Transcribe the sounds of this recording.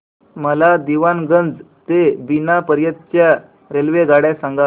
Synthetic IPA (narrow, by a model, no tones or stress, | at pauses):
məlad̪iʋanɡənd͡z | t̪ebinapəɾjət̪̚t͡ɕja | ɾelʋeɡaɽjasãŋɡa